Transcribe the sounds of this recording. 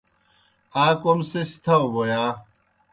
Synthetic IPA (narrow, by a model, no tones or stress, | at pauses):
aːkomsest̪ʰɐwbojaː